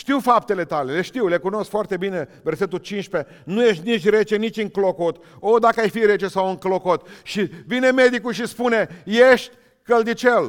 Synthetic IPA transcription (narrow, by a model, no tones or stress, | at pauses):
ʃt̪iwfap̚t̪e̞le̞t̪ale̞le̞ʃt̪iwle̞kuno̞skfoart̪e̞bine̞verse̞t̪ult͡ʃinʃpe̞ | nujeʃt̪ʲnit͡ʃʲɾe̞t͡ʃenit͡ʃʲɨŋklokot̪ | od̪akəajfiɾe̞t͡ʃe̞sawɨŋklo̞kot̪ʃivineme̞d̪ikulʃispune̞jeʃt̪ʲ | kəld̪it͡ʃel